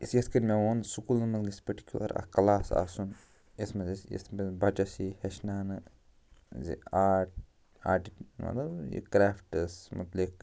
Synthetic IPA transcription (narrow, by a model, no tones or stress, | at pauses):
isjɐst̪kɐnʲmeʋoːnsukuːlnmɐt̪ɡispɐʈi̥kʲjulɐ̰ɾɐ̰kɐlaːsa̰ːsun | esmɐzisjḛst̪bɐbɐt͡ʃɐsihɐʃnaːnɨ | zḭaːʈ̚ | aːʈimɐ̰t̪ɐbjḭkɾaːfʈɨsmɐt̪lik